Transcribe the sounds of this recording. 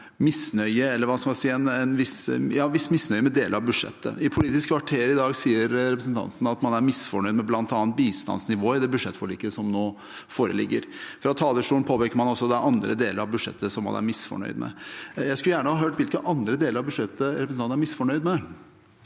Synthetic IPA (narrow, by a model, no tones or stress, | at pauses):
mɪsnœʏəɛlːəɾʋɑskɑɪsiːɛnɛnʋɪsjɑːʋɪsːmɪsnœʏəmɛd̪eːləɾɑʋbʉʂɛ̰t̪ːə̰ɪpʰʊliːt̪ɪskʰʋɑʈʰeːɾɪd̪ɑːɡsiːəɾɾɛpɾəsn̩t̪ʰɑ̰nt̪n̩ɑt̪mɑnæɾmɪsfɔɳœʏd̪mɛblɑnt̪ɑːnt̪̚biːst̪ɑ̰nsnɪʋoːəɪd̪ɛbʉʂɛt̪fɔɭiːkəsɔmnoː | foːɾə̰lɪ̰ɡːəɾfɾɑt̪ʰɑːləʂʈuːn̩pʰoːpekəɾmɑnɔsːɔd̪ɛʔɑnd̪ɾə̰d̪eːləɾɑʋbʉʂɛ̰t̪ːəsɔmːɑ̰næ̰ɾmɪsfɔ̰ɳœ̰ʏd̪mɛ̰jæɪskʉljæːɳəhɑːɦøːʈʋɪlkəʔɑnd̪ɾəd̪eːləɾɑʋbʉʂɛt̪ːəɾɛpɾəsnɑnnæɾmɪsfɔɳœʏd̪mɛ